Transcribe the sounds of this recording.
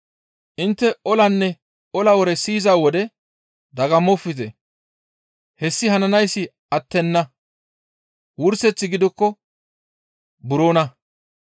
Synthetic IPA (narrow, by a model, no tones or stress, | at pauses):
ʔɪnt̪ːɛɔlɐnːɛ | ɔlɐwɔɾɛsiːzaːwɔd̪ɛ | d̪ɐɡɐmɔfːɪt̪ɛ | hɛsːɪhɐnɐnɐjsːɪ | ɐt̪ːɛnːɐ | wʊɾsɛt͡sːɪɡɪd̪ɔkːɔ | bʊɾoːnɐ